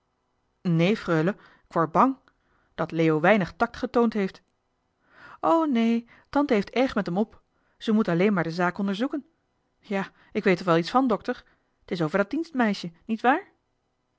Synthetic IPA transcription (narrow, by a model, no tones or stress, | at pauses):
nejfrøːlə | ɪkʋɔɹ̚bɑŋ | d̥ɑtleːowʋɛjnəχtɑk̚tχətowntɦejft | ʔownej | tɑntəɦejftɛɹχmɛtɛmɔp | z̥əmutɑlejnmaːɹdəzaːkɔndəɹzukən | jaː | ɪkʋejtɔχʋɛlˠitsfɑndɔktəɹ | ətɪs̬owvəɹdɑdinstmɛjʃənitʋaːɹ